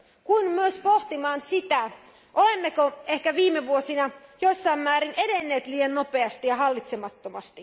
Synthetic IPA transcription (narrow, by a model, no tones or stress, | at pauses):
kuinmyøspoht̪imɑːnsit̪æ | ʔolemːekoehkæʋiːmːeʋuosinɑjosːɑimːæːɾinʔedenːe̞ːt̪liːjɑnnope̞ɑst̪ijɑɦɑlːit̪semɑt̪ːomɑ̰st̪i